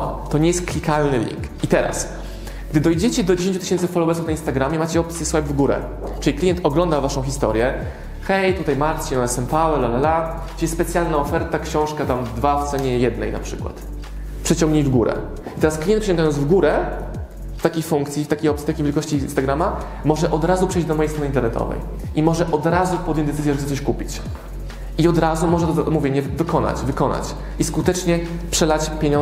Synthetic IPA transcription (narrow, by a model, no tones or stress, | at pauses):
t̪ɔɲejɛst̪̚klʲikalnɘlʲḭŋkit̪ɛɾa̰s | ɡ̚d̪ɘd̪ɔjd͡ʑet͡ɕɛd̪ɔd͡ʑeɕẽɲt͡ɕut̪ɘɕɛnt̪sɘfɔlɔwɛɾsufnainst̪aɡɾamʲjɛmat͡ɕɛɔp̚t̪sʲjɛswabvɡuɾɛ̰ | t͡ʂɘlʲiklʲijɛnt̪ɔɡlɔnd̪avaʂɔ̃w̃xʲist̪ɔ̰ɾjɛ | xɛjt̪ut̪ajmaɾt͡ɕiɔnɛsɛmpawɛlalalḁ | ɛsspɛt̪sʲjalnaɔfɛɾt̪akɕɔ̃w̃ʂkat̪amd̪vaft̪sɛɲɛjɛd̪nɛ̰jna̰pʂɘkwa̰t̪ | pʂɛt͡ɕɔ̃ŋɡɲejvɡuɾɛ̰ | it̪ɛɾasklʲijɛnpʂɛt͡ɕɔŋɡajɔnvɡuɾɛ | ft̪akʲejfuŋkt̪sʲift̪akʲejɔp̪̚i̥t̪akʲejvʲjelkɔɕt͡ɕinst̪aɡɾama | mɔʐɛʔɔd̪ɾazupʂɛjd͡ʑd̪ɔmɔjejst̪ɾɔnɨint̪ɛɾnɛt̪ʰɔ̰vɛ̰j | ʔimɔʐɛʔɔd̪ɾazupɔd̪jɔɲd͡ʑd̪ɛt̪ɘzʲjɛʐɛxt̪ɛt̪ɔɕkupʲit͡ɕ | iɔd̪ɾazumɔʐɛt̪ɔzmuvʲjemɲɛvɘkɔna̰t͡ɕvɘkɔna̰t͡ɕ | iskut̪ɛt͡ʂɲɛ | pʂɛlat͡ɕpʲjeɲɔ̃